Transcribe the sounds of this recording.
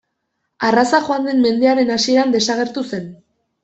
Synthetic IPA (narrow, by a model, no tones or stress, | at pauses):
arasaʝoand̪e̞mme̞nd̪e̞aɾe̞nasie̞ɾand̪e̞saɣ̞e̞ɾt̪use̞n